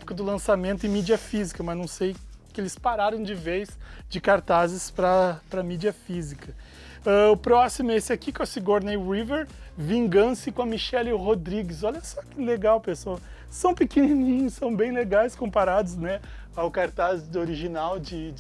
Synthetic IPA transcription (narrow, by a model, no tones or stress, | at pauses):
pʊ̥kɐd̪ʊlɐ̃samẽnt̪ʊɪ̃mid͡ʒiɐfizikɐmɐznɐ̃w̃sejkɪelɪspaɾaɾɐ̃w̃d͡ʒɪvejsd͡ʒɪkaɾt̪azɪspɾɐpɾɐmid͡ʒiɐfizikɐ | ɛʊpɾɔsimʊesɪakikõɐsɪɡoɾnejɾiveɾvĩŋɡɐ̃sɪkõɐmiʃɛlɪhod̪ɾiɡɪsɔʎɐsɔkɪleɡawpesowɐ | sɐ̃w̃pɪkininĩɲʊssɐ̃w̃bẽj̃leɡajskõmpaɾad̪ʊsnɛ | awkaɾt̪azd̪oɾiʒinawd͡ʒɪ